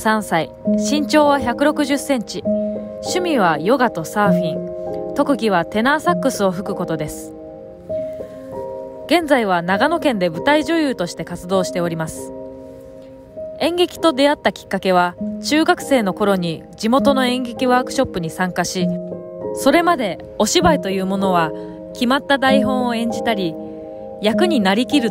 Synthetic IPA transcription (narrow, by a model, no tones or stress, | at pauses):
sãɰ̃sai | ɕĩɲ̟t͡ɕo̞ːβaçakɯ̟ɾo̞kɯ̟ʑɨsẽ̞ɲt͡ɕi | ɕɨmʲiβ̞ajo̞ɡat̪o̞saːɸʲĩnt̪o̞kɯ̟ɡʲiβ̞at̪e̞naːsakːɯ̟sɨo̞ɸɯ̟kɯ̟ko̞t̪o̞d̪e̞sɨ̥ | ɡ̥ẽ̞nd͡zaiβanaɡano̞kẽnd̪e̞bɯ̟t̪aiʑojɯ̟ːt̪o̞ɕi̥t̪e̞kat͡sɨd̪o̞ːɕi̥t̪e̞o̞ɾʲimasɨ̥ | ẽ̞ŋɡe̞kʲi̥t̪o̞d̪e̞at̪ːakʲi̥kːake̞β̞at͡ɕɨːɡakɯ̟̥se̞ːno̞ko̞ɾo̞ɲ̟i | d͡ʑimo̞t̪o̞no̞ẽ̞ŋɡe̞kʲiβaːkɯ̟̥ɕo̞pːɯ̟ɲ̟isãŋkaɕi | so̞ɾe̞mad̪e̞ | o̞ɕibait̪o̞jɯ̟ːmo̞no̞β̞a | kʲimat̪ːad̪aiɦõ̞ɰ̃oẽ̞ɲ̟d͡ʑit̪aɾʲi | jakɯ̟ɲ̟inaɾʲikʲiɾɯ̟